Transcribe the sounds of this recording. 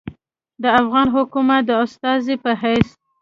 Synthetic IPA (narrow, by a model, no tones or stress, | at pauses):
d̪əafɣɑnɦʊkumat̪̚d̪əʊst̪ɑzipəɦajs